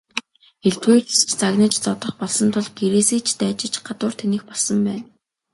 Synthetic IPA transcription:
eɬt̪wuːt͡ɕst͡ɕt͡saɣnĭːt͡ɕt͡sɔt̪ɞ̆χpɔɮsɞ̆nt̪ʰʊɮɡeɾeːseːt͡ɕʰt̪æːt͡ɕɪ̆t͡ɕɢat̪ʊːr̥t̪ʰenĭːxpɔɮsɞ̆mpæːn

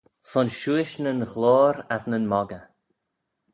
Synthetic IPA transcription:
sɔnʃuɪʃnənɣloːɾasnənmɔɡə

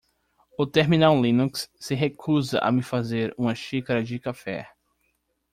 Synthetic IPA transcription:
ʊt̪eɾminawlĩnuksːɪɦekʰuzɐ̰ʔa̰mɪfazeɾũmɐʃikaɾɐd͡ʒɪkafɛ̰

